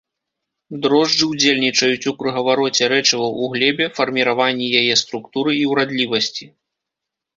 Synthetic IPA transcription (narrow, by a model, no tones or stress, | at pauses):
d̪ɾɔʐd͡ʐɨwd͡zʲelʲnʲit͡ʂɐjut͡sʲukɾɨɣɐvaɾɔt͡sʲɛɾɛt͡ʂɨvɐwuɣlʲɛbʲɛfɐrmʲiɾavanʲːijajɛst̪ɾukt̪uɾɨiwɾad̪lʲivɐsʲt͡sʲi